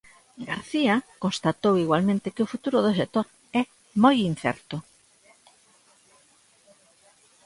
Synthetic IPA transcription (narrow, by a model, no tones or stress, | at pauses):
ɡaɾθiakonst̪at̪owiɣwalmẽnt̪ɪkɪʊfut̪uɾʊðoʃ̬ek̚t̪oɾ | ɛ | mojin̟θɛ̰ɾt̪o